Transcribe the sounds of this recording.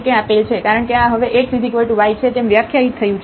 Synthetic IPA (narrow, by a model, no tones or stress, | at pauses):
kẽapelt͡ʃʰekaɾəɳkeãɦəʋeʔeksid̪ʱikoiʈuʋajt͡ʃʰet̪emʋjəkʰjaɦit̪ʰːəjũt͡ʃʰ